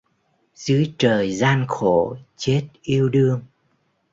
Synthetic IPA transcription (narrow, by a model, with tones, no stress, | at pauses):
zɨ˨˦t͡ɕəː˨˩jzaː˧nxo˧˩˨t͡ɕe˦˥t̚ʔi˧əwɗɨ˧əŋ